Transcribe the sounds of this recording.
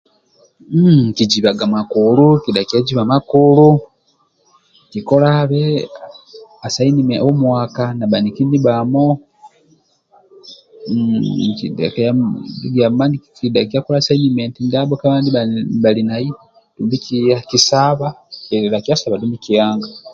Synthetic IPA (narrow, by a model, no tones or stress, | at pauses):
kid͡ʒiβaɡamakulukidakiaɟiβamakulu | kikolaβe | asainimeʔomwaːkanaβanikiniβamo | kḭdḛkajaɡiaaːndikidakiakolasainimentindaβokaβaːndiβaβalinaji | tumbikiakisaβaelakiasaβadumbikijaːŋɡa